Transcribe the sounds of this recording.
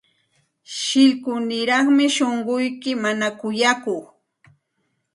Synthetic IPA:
ʃɪʎkʊnɪɾɑχmɪʃoɴɢʊjkɪmanakʊjakʊχ

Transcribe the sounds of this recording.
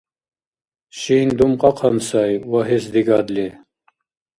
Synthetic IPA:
ɕiːnd̪umqɑqʰɑnsajwɐɦesd̪iɡɑd̪le

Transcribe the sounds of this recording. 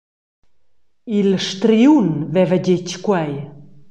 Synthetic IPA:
ilʃt̪ɾiunvɛvəɟeckwɛj

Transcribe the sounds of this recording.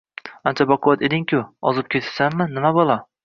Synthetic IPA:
ant͡ʃʰabaqʰʊwat̪ed̪ɪŋkʲʊɒzɪp̚kʲʰet̪ʰɪ̥samːɪnɪmabɒlˠɒ

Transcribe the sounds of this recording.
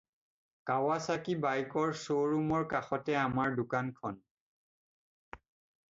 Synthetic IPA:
kawasakibajkɔɹsoɹumɔɹkaxɔtɛamaɹdʊkankʰɔn

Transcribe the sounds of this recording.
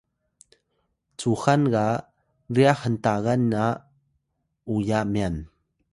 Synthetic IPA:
t͡suxanɣa | riaxənt̪aɣanːa | ujaʔmɛn

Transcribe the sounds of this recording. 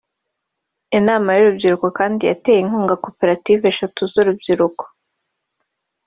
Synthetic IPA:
inaːmajuɾubɟiɾuko̞kaːndija̰teːjeiŋ̥huːŋɡako̞pe̞ɾativeʃatozuɾubɟiɾuko̥

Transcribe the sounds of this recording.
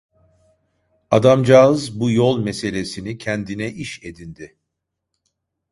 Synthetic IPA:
ad̪amd͡ʒaːɯzbujo̞lˠmɛse̞lʲe̞sinicʰɛnd̪inɛʔiʃe̞d̪ind̪ɪ

